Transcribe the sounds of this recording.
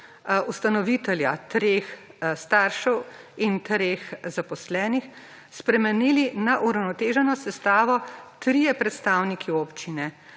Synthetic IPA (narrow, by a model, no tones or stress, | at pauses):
ust̪anɔʋit̪ɛljat̪ɾeːxst̪aːɾʃɛw | int̪ɾexzapɔslɛːnix | spɾɛmɛnilinaʔuɾawnɔt̪eːʒɛnɔsɛst̪aːʋɔt̪ɾijɛpɾɛt̪st̪aːwnikʰioːpt͡ʃinɛ